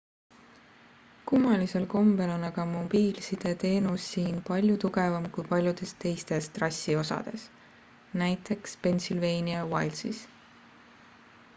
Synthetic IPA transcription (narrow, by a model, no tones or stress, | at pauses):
kumːɑlise̞lko̞mbe̞lo̞nɑɡ̥ɑmo̞b̥iːlsid̪̥e̞t̪e̞ːnusːiːnpɑlʲjut̪uɡ̥e̞vɑmkujpɑlʲjud̪̥e̞st̪e̞jst̪e̞st̪rɑsʲːio̞sɑ̰d̪̥e̞s | næjt̪ˑe̞kspe̞nsilve̞ːniɑwɑjlsḭs